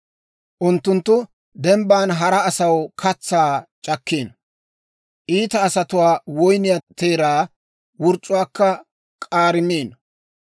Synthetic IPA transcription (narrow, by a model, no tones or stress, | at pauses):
ʔʊnt̪ːʊnt̪ːʊ | d̪ɛmbaːnɦɐɾɐːsɐwkʰɐt͡sːaːt͡ʃʼɐkːeːn | ʔiːt̪ɐːsɐt̪ʊwaːwɔjnɪjɐt̪eːɾaː | wʊɾt͡ʃʼːʊwaːkːɐ | kʼaːɾɪmeːn